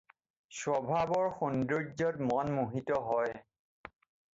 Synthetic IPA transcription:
swɔbʱabɔɹxundiɹzɔtmɔnmuɦitɔɦɔj

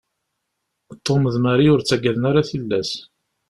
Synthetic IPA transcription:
t̪ˤːoməðmaɾiʊɾt͡sːæɡæðənaɾaθəlːæs

